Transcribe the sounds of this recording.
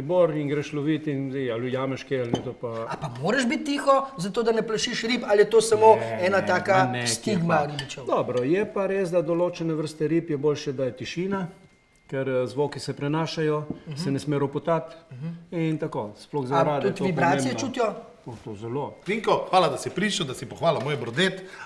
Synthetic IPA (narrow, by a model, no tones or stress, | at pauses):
iboɾinɡɾɛʃloʋit̪inzɛɪalujaːmɛʃkealnɛt̪opaapamoːɾɐʒbit̪ːiːxɔzat̪oːd̪ɐnɛplɐʃiʃɾiːpaljɛt̪oːsɐmoɛːnat̪aːkanɛst̪iɡmaɾibit͡ʃɛd̪ɔbɾɔjɛpaɾeːsd̪ad̪ɔloːt͡ʃɛnɛʋəɾst̪ɛɾiːpjɛboːlʃɛd̪ajɛt̪iʃiːna | kɛɾzʋoːkisɛpɾɛnaːʃajɔsɛnɛsmeːɾɔpɔt̪at̪int̪akoːsploɣzaɾaːd̪uɛt̪ʋibɾaːiɛt͡ʃuːt̪jɔ | ot̪oːzɛloiŋkɔxʋaːlad̪asipɾiːt͡ʃud̪asipɔxʋaːlɔmoːjbɾɔd̪et̪